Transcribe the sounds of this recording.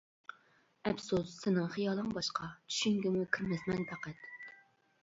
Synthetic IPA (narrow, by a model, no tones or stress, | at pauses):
ɛpsusːɪnɪŋχijɑːlˠɨŋbɑʃqʰɑt͡ʃ̪ʰy̥ʃyŋɡʲɪmukʲʰiɾmɛsmɛnt̪ʰæqɛt̪